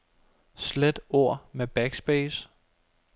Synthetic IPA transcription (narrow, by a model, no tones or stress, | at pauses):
sled̥o̝ɐ̰meb̥æɡ̥sb̥ɛːs